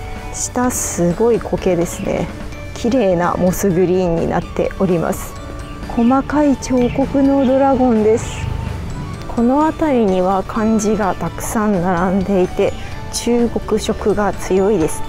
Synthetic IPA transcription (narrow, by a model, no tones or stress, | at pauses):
ɕi̥t̪asɨɡo̞ikʰo̞ke̞d̪e̞sɨne̞̰ | kʲʰiɾe̞ːna̰mo̞sɨɡɯ̟ɾʲiːɲ̟ːḭna̰t̪ːe̞̰ʔo̞ɾʲima̰sɨ̥ | kʰo̞makait͡ɕo̞ːko̞kɯ̟no̞d̪o̞ɾaɡõ̞nd̪e̞sɨ̥ | kʰo̞no̞at̪aɾʲiɲ̟iβ̞akʰãɲ̟d͡ʑiɡat̪akɯ̟̥sãnnaɾãnd̪e̞it̪e̞ | t͡ɕɨːɡo̞kɯ̟ɕo̞kɯ̟ɡat͡sɨjo̞id̪e̞sɨ̥